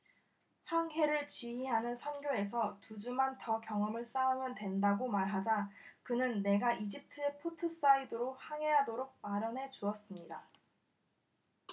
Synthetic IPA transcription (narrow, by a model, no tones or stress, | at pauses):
haŋɦe̞ɾɯɭt͡ɕiɦiɦanɯnsʰʌnɡjoe̞sʰʌtud͡ʑumantʌkjʌŋʌmɯɭs͈aumjʌntwe̞ndaɡomaɭɦad͡ʑakɯnɯnːe̞ɡaʔid͡ʑip̚tʰɯe̞pʰotʰɯs͈aidɯɾohaŋe̞ɦadoɾok̚paɾjʌnɦe̞t͡ɕuʌs͈ɯmɲida